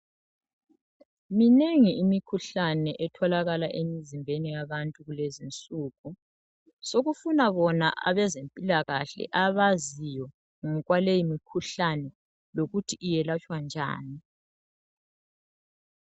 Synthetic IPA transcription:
mineŋiːmikʰuɬanɛʔɛtʰɔlaɣalaʔemizimbʱenijaβantʼuɣulezint͡sʼuːɣu | soɣufunaβɔna̰ʔa̰βɛzempʼilaɣaɬɛ̰ʔaβazijɔ | ŋɔɣwalejimikʰuɬanɛ | loɣutʰiʔːjɛlat͡ʃʼwand͡ʒʱa̰ːni

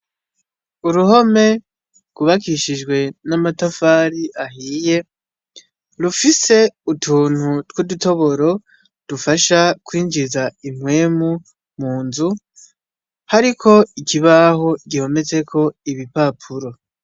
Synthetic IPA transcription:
uɾuho̞me̞ | ɡ̥uβakiʃid͡ʒɡwe̞namatafaːɾiʔaɦiːje̞ | ɾufise̞utʰuːn̥hutwuduto̞βo̞ɾo̞ | d̥ufaʃakwiːɲd͡ʒizaimwe̞ːmu | muːnzu | haɾikʰo̞ikiβaɦo̞ɡiho̞me̞ze̞kʰo̞iβipapʰuɾo̞

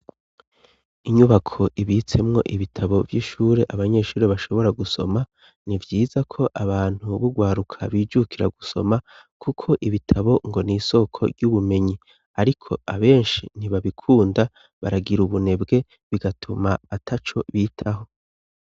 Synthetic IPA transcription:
iɲuβakʰo̞ʔiβit͡se̞mŋo̞̰ʔiβitʰaβo̞vjiːʃuːɾe̞ʔaβaɲe̞ːʃuːɾeβaʃo̞βo̞ɾaɡuso̞̰ma | nivjiːzakʰo̞ʔaβaːn̥huβuɡwaːɾukʰa̰βiːd͡ʒukʰiɾa̰ɡuso̞̰ma | kʰukʰo̞ʔiβitʰaβo̞ŋɡo̞niːso̞kʰo̞̰ɾɟuβume̞ɲi | aɾikʰo̞̰aβe̞ːnʃin̥iβaβikʰuːnda | βa̰ɾaɡiɾuβune̞bɡe̞ | βiɡatʰumaːtʰat͡ʃo̞̰βiːtʰaɦo̞

